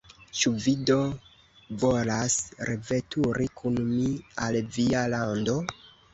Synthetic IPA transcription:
t͡ʃuvido̞ | volasɾeve̞tʰuɾikʰunmialvialando̞

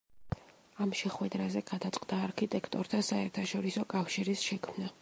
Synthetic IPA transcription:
amʃɛχwɛd̪ɾazɛɡ̥ad̪at̪sʼqʼd̪aːɾkʰit̪ʼɛkʰt̪ʼɔɾt̪ʰasaɛɾt̪ʰaʃɔɾisɔkʼafʃiɾisʃɛkʰmna

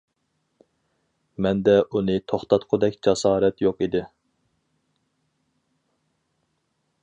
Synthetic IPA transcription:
mɛnd̪ɛʔunɨt̪ʰoχt̪ɑt̪qʰʊd̪ɛkʲd͡ʒɑsɑːɾɛt̪joqid̪ɪ

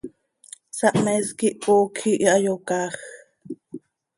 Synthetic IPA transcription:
sɑʔmɛskiʔpoːkʰiʔiɑjokɑːx

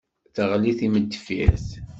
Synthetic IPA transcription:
θəʁliθiməd̪ːfiθ

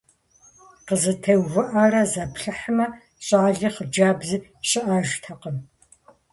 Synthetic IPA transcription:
qəzɨtʰɐwwɨʔɐrɐzɐpɬɨħmɐ | ɕʼaːɮɨχəd͡ʒaːbzɨɕʼɪʔaːʒtʰɐqəm

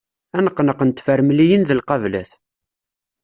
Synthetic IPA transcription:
ænəqːnəqənt̪fəɾmlijənðəlqɑvlæ̰θ

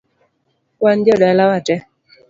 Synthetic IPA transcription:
wand͡ʒɔdalawatɛ

